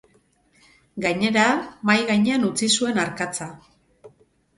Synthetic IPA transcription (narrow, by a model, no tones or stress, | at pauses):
ɡajɲe̞ɾamajɣajɲe̞anut͡sisue̞naɾkat͡sa